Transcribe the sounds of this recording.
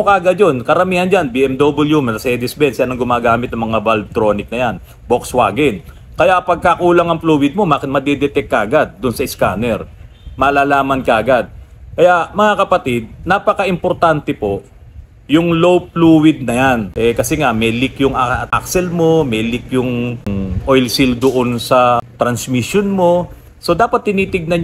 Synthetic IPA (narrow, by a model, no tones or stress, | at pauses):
okɐʔɐɡad̪jonkɐɾɐmiːhɐnd͡ʒanbiːʔɛmd̪obɐljumɐɐsɛd̪ɪsbɛnsjanɐŋɡʊmaːɡaːmɪt̪̚ːɐŋmɐŋabɐlb̚t̪ɾo̞ːnɪk̚nɐjan | bokswaːɡɪn | kɐjapɐɡ̚kakuːlɐŋɐŋpluːwɪd̪̚mo̞maːkɪt̪mɐd̪ɛd̪ɛt̪ɛkːɐʔɐɡad̪̚ːʊnsɐɪskaːnɛɾ | mɐːlaːlaːmɐnkɐʔɐɡad̪̚ | kɐjaʔmɐŋakɐpɐt̪ɪd̪̚napɐkɐʔɪmpoɾt̪ant̪ɛpo̞ʔ | jʊŋlowpluːwɪd̪̚nɐjanʔɛkɐsɛŋamɛlɪkjʊŋɐt̪a̰ksɛlmo̞mɛlɪkjʊŋʔojlsɪld̪oʔonsɐt̪ɾɐnsmiʃjonmo̞ | so̞d̪aːpɐt̪̚ːɪniːt̪ɪɡ̚nɐn